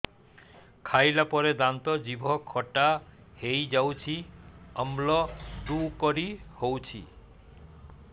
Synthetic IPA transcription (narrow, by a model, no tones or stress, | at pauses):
kʰajlapɔɾed̪ant̪ɔd͡ʒibʱɔkʰɔʈa | hejd͡ʒawt͡ʃʰiɔmlɔd̪ukɔɾihowt͡ʃʰḭ